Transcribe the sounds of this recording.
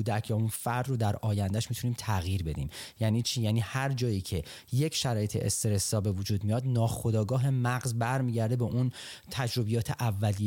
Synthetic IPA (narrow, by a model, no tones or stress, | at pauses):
ud̪æcʰjɒunfæɾd̪ɾod̪æɾɒːjænd̪æʃmit̪ʰuniːmt̪ʰæɣjiːɾbe̞d̪ḭːmjæːniːt͡ʃʰiːjæːniːhæɾd͡ʒɒːjiːcʰe̞jecʰʃæɾɒːjet̪ʰḛʔḛst̪eɾesɒːbe̞vud͡ʒuːd̪mijɒːd̪nɒːxo̞d̪ɒːɡɒːɦe̞mæɢzbæɾmiːɟæɾd̪e̞beʔunt̪ʰæd͡ʒɾo̞bijɒːt̪ʰe̞ʔævːæli